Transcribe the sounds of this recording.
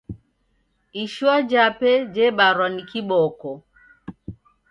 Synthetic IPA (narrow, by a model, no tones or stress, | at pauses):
iʃuad͡ʒapɛd͡ʒɛɓaɾwanikiɓɔkɔ